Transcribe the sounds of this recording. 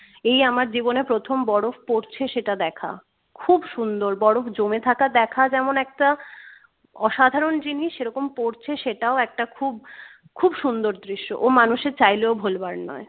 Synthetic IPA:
ejamaɾd͡ʑibonepɾot̪ʰombɔɽofpoɾt͡ɕʰeʃeʈad̪ɛkʰa̰ | kʰubʃund̪oɾbɔɽofd͡ʑomet̪ʰakad̪ɛkʰad͡ʑɛmonɛk̚ʈa | ɔʃad̪ʱaɾond͡ʑiniʃeɾɔkompoɾt͡ɕʰeʃeʈaoɛk̚ʈakʰub | kʰubʃund̪oɾd̪ɾiʃːo̰ʔomanuʃeɾt͡ɕajleobʱolbaɾnɔ̰e

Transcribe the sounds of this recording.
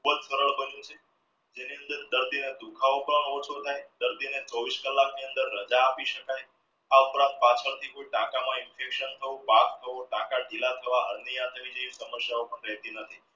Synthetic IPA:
kʰubəd͡ʒsəɾəɭbəd͡ʒũt͡ʃʰe | d͡ʒeniə̃nd̪əɾd̪əɾd̪ined̪ukʰaopəɳot͡ʃʰot̪ʰajd̪əɾd̪inet͡ʃɔʋiskəlːakniənd̪əɾːəd͡ʒaːpiʃəkaj | aupɾãnt̪̚pat͡ʃʰəɾt̪ʰikoiʈãkamãɪnfekʃənt̪ʰəõbakt̪ʰəʋoʈãkaɖilat̪ʰəʋaɦəɾnijãt̪əʋid͡ʒəisəməsjaopəɳɾɛɦt̪inət̪ʰi

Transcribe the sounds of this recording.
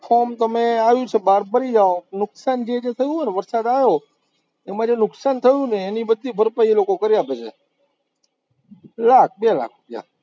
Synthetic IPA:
fʰomt̪əmẽaʋjũt͡ʃʰebaɾbəɾid͡ʒaonʊksand͡ʒed͡ʒet̪ʰəjũɦoneʋəɾsad̪aʋjo | emãd͡ʒenʊksant̪ʰəjũneːnibəd̪ʱːibʱəɾpaielokokəɾjapet͡ʃʰḛ | lak̚ʰbala̰kʰɾʊpja̰

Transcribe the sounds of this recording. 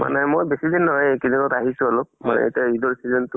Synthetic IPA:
ma̰nɛmojbesidinːɔɦɔjkininɔtaɦisʊalʊmanɛ̰ḛtiaidɔɹsizɛntʊ

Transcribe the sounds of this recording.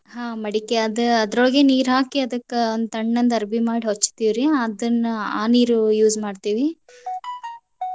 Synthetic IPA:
ɦaːmɐɽikeɐd̪uɐd̪ɾoɭɐɡeːniːɾɦaːkiɐd̪ɐkːeond̪ɐɳːɐnd̪ɐɾbʱimaːɽiɦot͡ʃːt̪iːʋɾiɐd̪ɐnːɐa̰ːniːɾujuːzmaːɖt̪iːʋi

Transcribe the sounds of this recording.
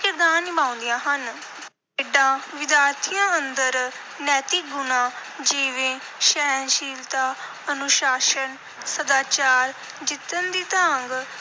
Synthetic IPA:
kɪɾd̪aːnːɪbãːʊ̃nd̪ijãːɦən | eːɖãːʋɪd̪jaːɾt̪ʰijãːənd̪əɾ | nɛːt̪iːɡʊnãːd͡ʒeːʋẽː | ʃɛːnʃiːlt̪aː | ənʊʃaːʃən | səd̪aːt͡ʃaːɾ | d͡ʒɪt̪ːənd̪iːt̪aŋɡ

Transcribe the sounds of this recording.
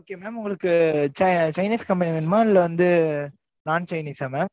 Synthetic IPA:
oːkːeːmeːmʊŋɡɐɭɯkːɯt͡ʃɐt͡ʃɐɪniːskɐmpɐnimɛnmaːɪlːɐʋɐnd̪ɯ | naːnt͡ʃɐɪniːsaːmem

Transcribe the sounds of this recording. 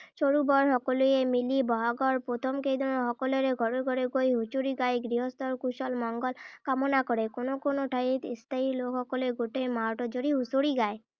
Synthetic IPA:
ʃoɾubɔɾɦɔkolujemilibɔɦaɡɔɾpɾot̪ʰɔmkejd̪ʱɔnɔɦɔkɔlɔɾeɡʱɔɾeɡʱɔɾeɡojɦut͡ʃuɾiɡajɡɾiɦɔst̪ɔɾkusɔlmɔŋɡɔlkamɔnakɔɾekonokonoʈʰaɦit̪ist̪aɦilokhɔkɔleeɡoʈejmaɾʈɔd͡ʒoɾiɦusoɾiɡae

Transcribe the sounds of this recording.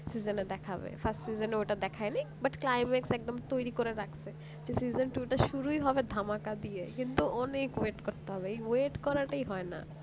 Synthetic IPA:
sid͡ʑoned̪ɛkʰabḛfʰasʈsid͡ʑoneoʈad̪ɛkʰaenejbaʈklajmeksɛk̚d̪omt̪ojɾikoɾeɾakʰsʰe | d͡ʑesizonʈueʈaʃuɾuiɦɔbed̪ʱamakad̪ijekint̪uʔɔnekweʈkoɾt̪eɦɔbeeweʈkɔɾaʈaiɦɔena̰

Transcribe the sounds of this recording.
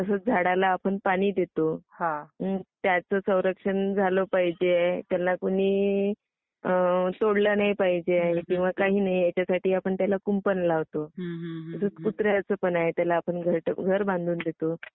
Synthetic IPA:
t̪əsəːt͡sd͡zʱaɽalaːpəɳpaɽ̃iːd̪et̪ohãt̪jat͡səsə̃w̃ɾəkʂənd͡zʱalopaɦid͡ʑet̪jalːakuɽiː | t̪oɽlənajpaɦid͡ʑekĩw̃ʋ̤akaɦiːnaɦijat͡ɕjasaʈiːapəɳt̪jalakumpənlaʋt̪oəsət͡skut̪ɾjat͡səːpənaɦet̪jalaːpəɳɡʱəʈɡʱəɾbãnd̪ʱuːnd̪et̪o

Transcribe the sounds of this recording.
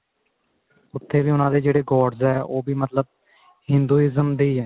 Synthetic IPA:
ʊt̪ʰːeːbiːʊnãːd̪eːd͡ʒeːɽeːɡɔːɖzɛːoːbʱiːmət̪ləb̚ | hɪ̃nd̪uːɪzəmd̪iːɛː

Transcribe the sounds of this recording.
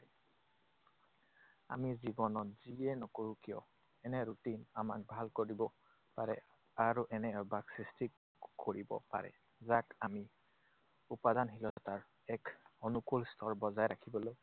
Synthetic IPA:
a̰mizibɔnɔtz̥iɛnɔkoɹukijɔ̰ | ɛnɛɹutinamak̚bʱalkoɹibɔ | paɹɛ̰ | aɹuʔɛnɛbaksɹisti | koɹibɔ̰pa̰ɹɛ̰ | zakami | upadanɦilɔtaɹ | ɛkonukulstʰɔɹbɔzajɹakʰibɔloj

